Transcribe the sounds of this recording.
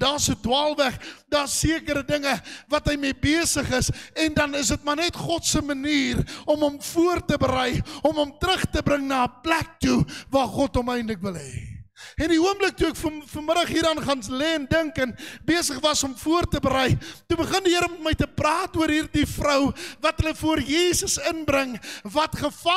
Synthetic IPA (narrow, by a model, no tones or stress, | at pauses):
dɑːsədwɑːlˠvæχdɑːsiəkəɾədəŋəvɐtɦəjmibeəsəχəsɛndɐnəs̬ət̚mɐrnɛtχɔtsəməniːrɔməmfuərtəbəɾəjɔməmtɾəχtəbɾəŋnɐəplæk̚tuvɑːχɔtɔmɛjndləkvəlˠɦɛːɛndiuəmblək̚tuɛkffuməɾəχɦiːɾɑːnχɑnlɛːɛndəŋkɛnbeəsəχvɐsɔmfuərtəbəɾəjtubəχəndiɦəɾəmɛtməjtəprɑːtuəɾɦiːrdifrəwvɐtɦələfuərjiːsəsənbɾəŋvɐtχəɐ